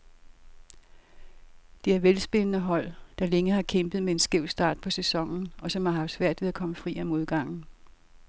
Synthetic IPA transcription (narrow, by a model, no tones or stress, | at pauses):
d̥e̝æɐʋelsb̥e̝nənəɦɒ̽l̰d̥ɑ̈leŋəhɑ̈kʰemb̥ð̞̩ˠmee̝nsɡ̥e̝ʊ̰sd̥ɑ̰̈ːd̥̚pʰɒ̽sesɒ̽ŋ̰n̩ɒ̽sɒ̽mhɑ̈ɦɑ̈fd̥sʋæɐ̰d̥ʋe̝ðˠækʰɒ̽məfʁḭːæmo̝ðˠɡ̥ɑ̈ŋ̰n̩